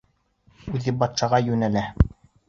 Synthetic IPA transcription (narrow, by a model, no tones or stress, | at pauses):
ʉðɘbɑt̪ʃɑʁɑjʉnælæ